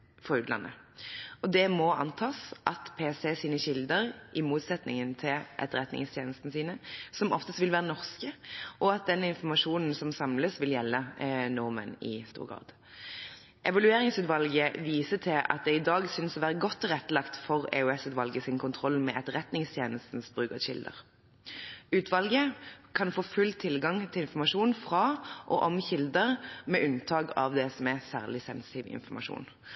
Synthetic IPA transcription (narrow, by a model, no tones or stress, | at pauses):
fɔʉːt̪lɑ̰nːʔə̰ɔd̪ɛmɔɑ̰nt̪ʰɑːsʔɑt̪pʰeːseːsiːnəɕɪld̪əʁʔɪmuːt̪sɛt̪nɪ̰ŋənt̪ʰɪlʔɛ̰t̪ʁɛt̪nɪ̰ŋst̪ʰjeːnəst̪n̩siːnəsɔmɔ̰ft̪əst̪ʋɪlʋæːʁənɔʁskəʔɔɑt̪̚d̪ɛnːɪnfɔmɑʂuːnn̩sɔmsɑmləsʋɪljɛlːənʊʁmə̰nɪ̰st̪ṵːʁɡʁɑ̰ːd̪̥ | ʔɛʋɑlʉeːʁɪŋsʉːt̪ʋɑlɡəʋiːsət̪ʰɪlɑ̰t̪̚d̪ɛɪd̪ɑːɡsʏnsɔʋæːʁəɡɔt̪ːʁɛt̪ːəlɑkt̪fɔʁɛ̰ʉɛsʉːt̪ʋɑlɡəsɪnkʰʊnt̪ʰʁɔlːmɛʔɛt̪ʁɛt̪nɪŋst̪ʰjeːnəst̪n̩sbʁʉːkəʃɪ̰ld̪ə̰ʁ | ʉːt̪ʰʋɑlɡəkʰɑnfoːfʉlt̪ʰːɪlɡɑŋt̪ʰɪlɪnfɔmɑʂuːnfʁɑʔɔʔɔmçɪld̪əʁmɛʔʉnt̪ʰɑːɡɑ̰ʋd̪ɛsɔmæsæ̰ːʁlɪsɛnsɪ̥t̪iːʋɪ̰nfɔmɑʂṵːn